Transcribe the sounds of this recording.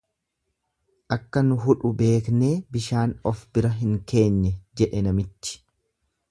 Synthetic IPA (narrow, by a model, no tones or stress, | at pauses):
ʔɐkːɐnʊɦʊᶑʊbe̞ːkne̞ːbɪʃaːnɔfbɪɾɐɦɪŋke̞ːɲːɛd͡ʒɛᶑɛnɐmɪt͡ʃːɪ̥